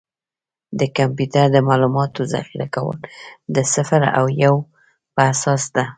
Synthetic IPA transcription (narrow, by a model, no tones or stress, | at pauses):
d̪əkampjut̪aɾd̪əmɑlumɑt̪oza̰xiɾakawə̰ld̪əsafaɾa̰wjaw | pəasɑsd̪a